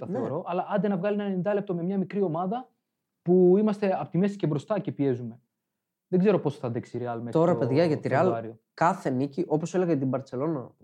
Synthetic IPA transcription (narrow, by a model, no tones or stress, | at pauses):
t̪ɐneoɾo̞ʔɐlɐʔɐnd̪enɐvɣɐlienɐneind̪ɐle̞p̚t̪o̞me̞mɲɐmikɾio̞mɐðɐ | puimɐst̪eɐpot̪ime̞si̥cebɾo̞st̪ɐce̞pie̞zume̞ | ðeɡze̞ɾo̞po̞sθɐðeksiɾeɐlmet̪o̞ɾɐpe̞ðʝɐʝɐt̪iɾeɐlɐɾiokɐθe̞niciʔo̞poseleɣɐt̪̬imbɐɾt̪t͡se̞lo̞nɐ